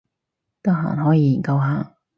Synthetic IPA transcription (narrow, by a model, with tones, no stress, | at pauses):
t̪ɐ˥ɦa̰ː˨˩nɦɔː˨˥jiː˧˩ji˨˩nkɐ˧wɦaː˨˩ŋ